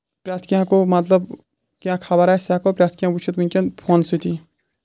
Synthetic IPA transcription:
pɾaːt̪ʰkijãkomɐt̪ləb | kãːkʰabaɾaːsaːkopɾʲaːt̪ʰkijãbut͡ʃʰɐt̪bunʲkʲɐnpʰoːnsit̪ʰi

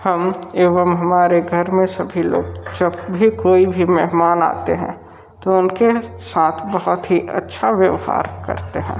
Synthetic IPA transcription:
hɐmeːʋəmɦɐmaːɾeɡʱɐɾmẽsɐbʱilo̰ːɡd͡ʒɐbbʱikoːibʱimɛɦmaːna̰ːt̪eɦɛ̰̃ | t̪oʊnkesaːt̪ʰbɐɦʊt̪ɦiʔɐ̰tːʃʰaʋjəʋha̰ːɾkɐ̰ɾt̪eɦɛ̰̃ː

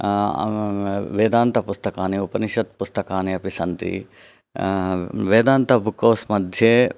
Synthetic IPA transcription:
ʋeːd̪aːnt̪ɐpust̪ɐkaːniupɐniʃɐt̪̚pust̪ɐkaːniɐpisɐnt̪ḭ | ʋeːd̪aːnt̪ɐbʱukoːsmɐd̪ʱje

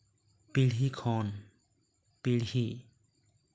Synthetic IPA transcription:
pilɦikʰɔːn | pilhi

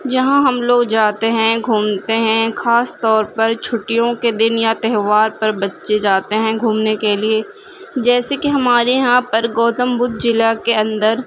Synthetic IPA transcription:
d͡ʒɐɦãɦɐmloːɡd͡ʒaːt̪eɦɛ̃ɡʱuːmt̪eɦɛ̃xaːst̪ɔːɾpɐɾt͡ʃʰʊʈijõked̪ɪnjat̪ɛɦʋaːɾpɐɾbɐtːʃed͡ʒaːt̪eɦɛ̃ɡʱuːmnekelie | d͡ʒɛːsekiɦɐmaːɾeɦãːpɐɾɡɔːt̪əmbʊd̪d͡ʒɪlakeɐ̃nd̪əɾ

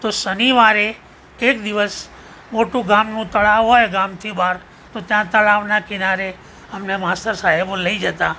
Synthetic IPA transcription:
t̪osəniʋaɾe | ekd̪iʋəs | moʈũɡamnũt̪əɭaʋɦojɡamt̪ʰibaɾ | t̪ot̪jãt̪əɭaʋnakɪnaɾe | əmnemast̪əɾsaɦeboləid͡ʒət̪a

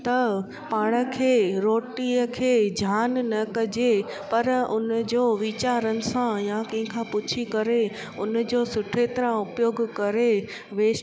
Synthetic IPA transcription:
t̪ɐ | paːɽ̃ə̆kʰeːɾoːʈiəkʰeːd͡ʑʱjaːnnɐkɐd͡ʑe | pɐɾʊnəd͡ʑoːʋiːt͡ɕaːɾənɪ̆sãjakɐ̃ɦɪ̃kʰãːpʊt͡ɕʰikɐɾe | ʊnd͡ʑoːsʊʈʰeːt̪ɾə̃ʊpjoːɡkɐɾe | ʋeːʃ

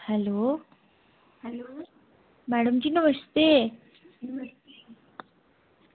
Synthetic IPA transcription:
hɛlo | l | mæɽəmt͡ɕiːnəməʂt̪e | t̪

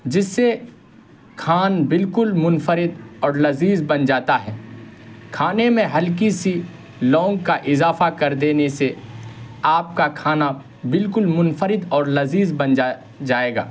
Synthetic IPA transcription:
d͡ʒɪsːe | kʰaːnbɪlkʊlmʊ̃nfəɾɪd̪ɔːɾlɐziːzbɐnd͡ʒaːt̪aɦɛː | kʰaːnemẽɦɐlk̬isi | lɔ̃ːŋɡ̚kaʔɪzaːfakɐɾd̪eːnese | aːp̚kakʰaːna | bɪlkʊlmʊnfəɾɪd̪ɔːɾlɐziːzbɐnd͡ʒa | d͡ʒaːeːɡa̰ː

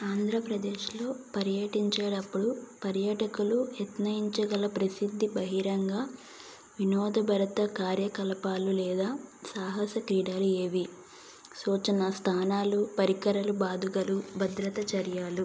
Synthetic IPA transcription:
aːnd̪ʱɾɐpɾɐd̪eːʃlo̞ːpɐɾjɐʈiɲt͡ʃeːɽɐpːuɽupɐɾjɐʈɐkulujɐt̪nɐjiɲt͡ʃɐɡɐlɐpɾɐsid̪ʱːibɐɦiɾɐŋɡaː | ʋinɔːd̪ɐbʱɐɾɐt̪ɐkaːɾjɐkɐlɐpaːlulɛːd̪aːsaːɦɐsɐkɾiːɽaːlueːʋi | suːt͡ʃɐnɐst̪ʰaːnaːlupɐɾikɐɾɐlubaːd̪uɡɐlubʱɐd̪ɾɐt̪ɐt͡ʃɐɾjaːlu

